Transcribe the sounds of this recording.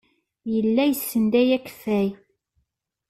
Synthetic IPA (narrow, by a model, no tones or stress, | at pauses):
jəlːæjəsːənd̪æjækːfæj